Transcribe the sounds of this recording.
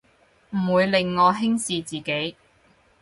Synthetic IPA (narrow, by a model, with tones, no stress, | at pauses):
m̩˨˩wuː˨˧jlɪ˨ŋːɔː˨˧ɦɪ˥ŋsiː˨˧t͡siː˨ke˨˥j